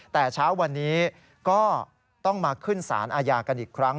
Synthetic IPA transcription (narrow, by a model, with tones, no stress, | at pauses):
t̪ɛː˨˩t͡ɕʰaː˦˥wːa˧nːiː˦˥ | kɔː˥˩ | t̪ɔ˥˩ŋmaː˧kʰɯ˥˩nsa̰ː˩˦nʔaː˧jaː˧ka˧nʔiː˨˩kʰɾa˦˥ŋ